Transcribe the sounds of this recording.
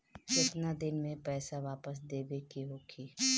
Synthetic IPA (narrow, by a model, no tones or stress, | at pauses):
ɪt̪nad̪ɪnmẽpɛːsaʋaːpəs̬d̪eːbekiɦoːkʰiː